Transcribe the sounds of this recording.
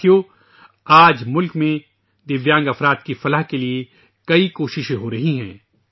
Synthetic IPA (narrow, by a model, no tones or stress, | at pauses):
jo | aːd͡ʒmʊlkmẽ | d̪ɪʋjãːŋɡɐfɾaːd̪̚kifɐləɦkelie | kɐikoːʃɪʃẽɦoɾɐɦiɦɛ̰̃ː